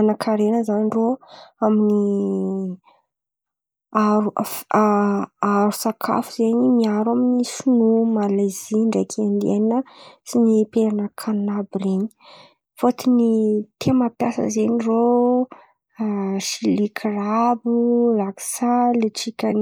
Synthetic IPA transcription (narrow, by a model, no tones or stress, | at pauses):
anakʰaɾenəzaniroamini | aɾuaaɾusakʰa̰fuzeɲimiaɾaminisunumalaziɳɖ͡ʐakʰend̪ḛnəsinipeɾanəkʰanabreɲi̥ | fot̪init̪ʰemapjasə̰zeniro | ʃilikʰrabulaksaleʈ͡ʂikʲəni